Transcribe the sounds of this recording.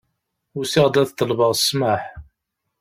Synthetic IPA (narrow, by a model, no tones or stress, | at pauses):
ʊsɪʁd̪æðt̪ːəlvəʁsmaħ